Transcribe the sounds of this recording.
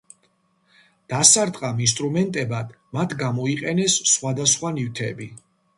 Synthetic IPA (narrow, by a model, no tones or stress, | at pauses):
d̪̥asaɾd̪qʼamins̬t̪ʼɾumɛnt̪ʼɛbad̪ | mat̪ʰɡamɔiqʼɛnɛsːχwad̪asχwanift̪ʰɛbi